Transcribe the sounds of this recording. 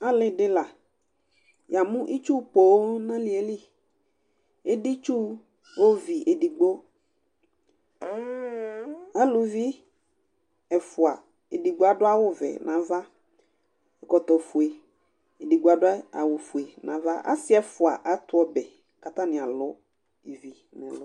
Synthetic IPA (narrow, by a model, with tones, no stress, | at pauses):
a˦lɪ˨dɪ˦la˨ | ja˨mʊ̃˦ʔi˦t͡ʃu˦po˨˦nã˦lɪ˨˦e˨li˦ | e˦di˦t͡ʃu˦ | wo˦vi˨ʔe˨di˨ɡ͡bo˦ | a˦lʊ˨vi˦ | ɛ˨fʊ˨a˨ | e˨di˨ɡ͡bo˦a˨dʊ˦a˦wʊ˦vɛ̰˨nã˨˦va˦ | ɛ˨kɔ˨t̪ɔ˨fu˨e˨ | e˨di˨ɡ͡bo˨˦a˨dʊ˦a̰˨wʊ˨fu˨e˨nã˨va˦ʔa̰˦sɪ˦ɛ˨fʊ˨a̰˨ʔa˨t̪ɔ˦bɛ˨ | ka˨t̪a˦nɪ̃˨a˨lʊ˨˦ | i˨vi˨ | nɛ̰̃˨lʊ˨˦